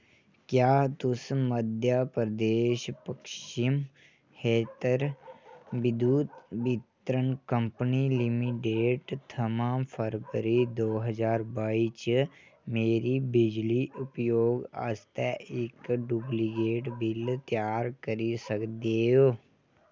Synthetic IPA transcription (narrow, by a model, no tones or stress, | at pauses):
kjaːt̪ʊsməd̪ʱjapɾəd̪eːʃpəkʃim | hʰeːt̪əɾ | bɪd̪uːt̪bɪt̪ɾənkə̃mpənilɪmiʈeːʈt̪ʰɐmaːmpʰəɾʋəɾid̪oːɦəd͡ʒaːɾbaːiːt͡ʃ | meːɾibɪd͡ʒliʔʊpjoːɡa̰ːst̪ɛɪkɖubliɡeːʈbɪlt̪jaːɾkəɾisəkd̪eːoː